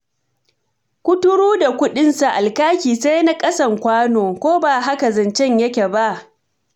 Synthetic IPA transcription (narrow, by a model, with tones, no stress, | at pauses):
kʷʊ˦tʊ˦ɽuː˦da˨kʷʊ˦ɗɪ˦nsa˨ʔa˨lkaː˦kʲiː˨sa˦jna˦kʼɐ˦sɐ˨ŋkʷaː˦noː˨kʷoː˦baː˨ɦa˦ka˨zɐ˨nt͡ʃɛ˦ɲjɐ˦kʲe˨ba˦ʔ